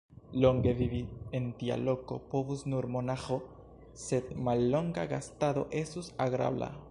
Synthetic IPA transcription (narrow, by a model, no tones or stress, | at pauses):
lo̞ŋɡe̞vivient̪ia̰lo̞ko̞̰po̞vusnuɾmonaxo | se̞d̪̚malːo̞ŋɡaɡast̪aðo̞̰ʔe̞susaɡɾa̰bla̰